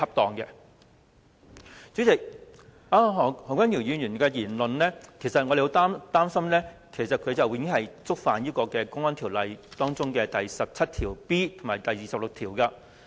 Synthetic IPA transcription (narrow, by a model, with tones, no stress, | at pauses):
ɐ˥p̚t̪ɔː˨˧ŋkɛ˧ | t͡syː˨˥t͡sɪ˨˩k̚ | aː˧ɦɔ˨˩hɔː˨˩ŋkʷwa˥njiː˨˩wjyː˨˧njyː˨˩nkɛː˧jiː˨˩nlɵ˨nnɛː˥kʰe˨˩jsɐ˨t̚ŋɔ˧de˨ho˨˥t̪aː˥mt̪aː˥msɐ˥mnɛː˥kʰe˨˩sɐ˨t̚kʰɵ˨˧ɥt͡sɐ˨˩wŋɪ˥ŋɦɐ˨jt͡sʊ˥k̚faː˨njiː˥kɔː˧kɛː˧kʊ˥ŋɔː˥nt̪ʰi˨˩wlɐ˨˧jt̪ɔː˥ŋt͡sʊ˥ŋkɛː˧t̪ɐ˨jsɐ˨p̚t͡sʰɐ˥t̚t̪ʰiː˨˩wpiː˥t̪ʰʊ˨˩ŋmaː˨˩t̪ɐ˨jiː˨˩sɐ˨p̚lʊ˨k̚t̪ʰiː˨˩wkɐː˧